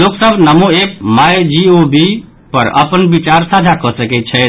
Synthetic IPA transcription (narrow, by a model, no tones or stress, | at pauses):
loksəbʱnəmoep̚majd͡ʒiobi | pəɾə̰pənbit͡ʃaɾsad͡ʒʱakɔsəkɛt͡ʃʰɛ